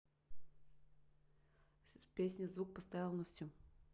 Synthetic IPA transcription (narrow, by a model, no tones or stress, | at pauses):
pʲesʲnʲəzvuk̚pɐst̪ajalˠnɐftʲu